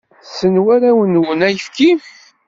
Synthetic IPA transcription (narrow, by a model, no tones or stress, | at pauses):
sənwæɾæwənwənæjəfki